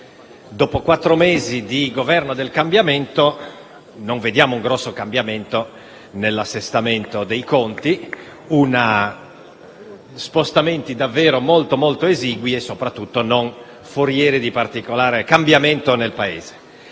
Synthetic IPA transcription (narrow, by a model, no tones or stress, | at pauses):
d̪oːpokwat̪ːɾomeːzid̪iɡovɛrnod̪elkambjament̪o | noɱved̪jaːmouŋɡɾɔsːokambjament̪o | nelːasːest̪ament̪od̪ejkont̪i | una | spost̪ament̪id̪avːeːɾomolt̪omolt̪oeziːɡwiesːopɾat̪ːut̪ːonon | foɾjɛːɾid̪ipart̪ikolaːɾekambjament̪onelpaḛːz̥e̥